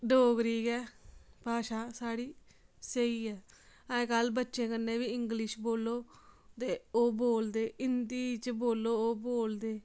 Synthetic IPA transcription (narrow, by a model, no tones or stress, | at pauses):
ɖoːkɾiːɡɛːpaːʃaːsaːɽiː | səiːɛːə̃ːekəlbətːʃẽːkənːẽːʋiːɪŋɡlɪʃboːlːoːt̪eːoːboːld̪eːɪnd̪iːt͡ʃboːlːoːoːboːld̪eː